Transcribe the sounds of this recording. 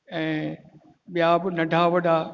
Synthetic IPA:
ɛ̃ː | ɓijabɪnɐɖʱaʋɐɖaː

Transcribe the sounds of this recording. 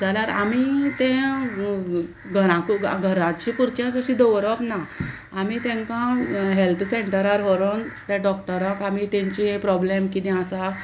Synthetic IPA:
d͡zalaɾa̰mit̪ẽ | ɡʱəɾãkuɡʱəɾãt͡ɕĩpuɾt͡ɕjãt͡səɕĩd̪ɔʋɾəpna | amit̪ɛ̃ŋkãɦelt̪ʰseɳʈəɾaɾɦɔɾont̪ɛ̃ɖɔkʈəɾəkamit̪ɛ̃ɲt͡ɕĩpɾɔblemkit̪ɛ̃asa

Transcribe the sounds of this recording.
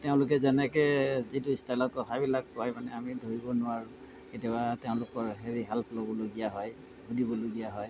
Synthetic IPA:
teʊ̃lʊk̬ɛzɛnɛkɛzitʊistajlɔt̚kɔtʰabilakːɔajmanɛamidʱoɹibɔnʊwaɹu | ketɔateʊ̃lʊkɔɹɦeɹiɦɛlplobɔloɡijaɦɔj | ɡʱudibɔloɡijaɦɔj

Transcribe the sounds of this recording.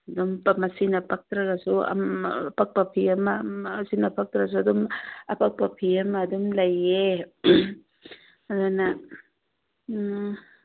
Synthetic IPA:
adɔmpamasinapak̚t̪ɾaɡasua̰mpak̚papʰiamasinapʰak̚t̪ɾas̬uadɔmapak̚papʰiamadumlaje | adana

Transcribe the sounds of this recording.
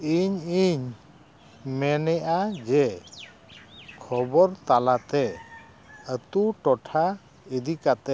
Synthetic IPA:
iɲiɲ | mɛnɛʔad͡ʒɛ | kʰɔbɔɾt̪alat̪ɛ | ət̪uʈɔʈʰa | id̪ikat̪ɛ

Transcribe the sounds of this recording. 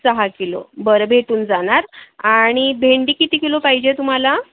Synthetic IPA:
səɦakelo̰bəɾəbʱeʈuːnd͡zaɽ̃aɾaɽ̃ibʱeɳɖiːkit̪ikelopaɦid͡ʑet̪um̤ala

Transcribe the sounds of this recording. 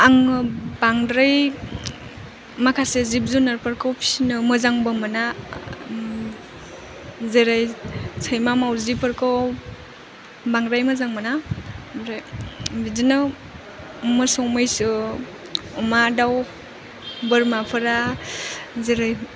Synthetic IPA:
aŋbaŋdɾaj | makʰasezip̚zunaɾpəɾkʰawpʰi̥sinɯmɯzaŋbamana | zeɾajsʰajmamawzipʰəɾkʰaw | baŋɾajmazaŋmanaɾbizinɯ | mɯsɔwmajsɯ | ɔmadaw | bɯɾmapʰɯɾa | zeɾaj

